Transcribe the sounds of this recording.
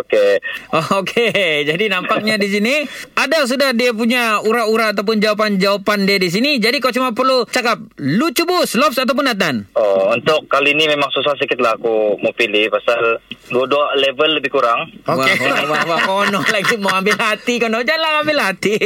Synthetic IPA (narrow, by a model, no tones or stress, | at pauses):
okeɔokʰed͡ʒadinampak̚ɲadis̬iniadas̬udahdiap̬uɲauɾauɾaːt̪awp̬ʊnd͡ʒawap̬and͡ʒawapandiadis̬inid͡ʒadikalot͡ʃumapərlut͡ʃakap̚lut͡ʃubʊslɔpsat̪̬awp̬ʊnat̪̬anɔunt̪ʊkːaliːnimemaŋsus̬as̬əkɪt̪̚lahakumopilihpasalduadualevəlːəbɪhkuɾaŋowawawakonɔlaɡimaambɪlɦat̪ikɔnɔd͡ʒalaambɪlhat̪i